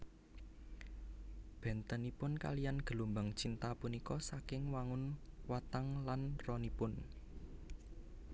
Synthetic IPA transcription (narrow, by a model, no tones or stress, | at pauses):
b̥ɛ̤nt̪ənipʊnka̰lijanɡ̥ə̤lumbaŋt͡ʃint̪apunikɔsakɪŋwaŋʊnwat̪aŋlanrɔnipʊn